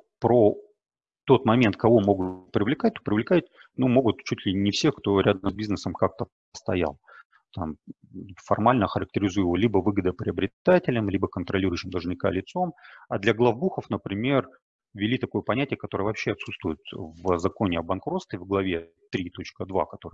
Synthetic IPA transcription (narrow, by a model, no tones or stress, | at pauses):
pɾo | t̪o̞t̪mɐmʲe̞nt̪̚kɐvo̞mo̞ɡʊpɾʲɪvlʲɪkat̚ʲt̪o̥pɾʲɪvlʲɪkat̚ʲnumo̞ɡʊt̪t͡ɕutʲlʲɪnʲɪfsʲe̞kt̪o̞ɾʲʔad̪əmzʲbʲiznəsəmkak̚t̪ə | əst̪ɐja̰lˠ | t̪am | fɐ̰rmalʲnəxəɾək̚tʲɪɾʲɪzujɪvolʲibəvɨɡəd̪əpɾʲɪɐbɾʲɪt̪atʲɪlʲɪmlʲibəkənt̪ɾɐlʲiɾʊjʉɕːɪmd̪ɐlˠʐnʲɪka̰lʲɪt̪so̞mɐd̪lʲɐɡlˠɐvbuxəfnəpɾʲɪmʲe̞r | vʲɪlʲit̪ɐko̞jəpɐnʲætʲɪjəkɐt̪o̞ɾəvɐpɕːeɐt̪sut̪st̪vʊjʊt̪vəzɐko̞nʲɪɐbɐnkɾo̞t̪st̪ɪvɡlˠɐvʲe̞ | t̪ɾʲit̪o̞t͡ɕkəd̪va̰kɐt̪o̞ɾɨ